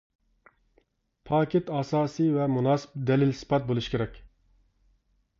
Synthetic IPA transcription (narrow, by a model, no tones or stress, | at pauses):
pʰɑːkʲet̪ɑːsɑːsijvɛmunɑːsɨ̥p̚d̪ɛlɪlsɨ̥pɑt̪̚bolˠuʃkʲʰeɾɛkʲ